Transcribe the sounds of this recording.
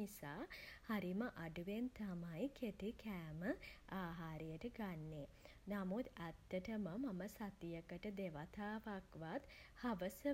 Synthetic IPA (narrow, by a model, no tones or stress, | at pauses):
isaːhaɾiməʔaɖuʋent̪amajkʰet̪ikæːməʔaːɦaːɾəjəʈəɡanːe | namut̪æt̪ːəʈəməmaməsat̪ijəkəʈəd̪eʋat̪aːʋakʋat̪haʋəsə